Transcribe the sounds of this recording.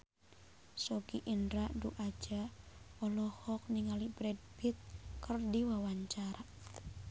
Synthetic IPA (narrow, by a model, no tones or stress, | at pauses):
sɔɡiʔindɾaʔduʔad͡ʒaɔlɔhɔk̚niŋalibɾɛd̚b̥it̪̚kərdiwawaɲt͡ʃaɾa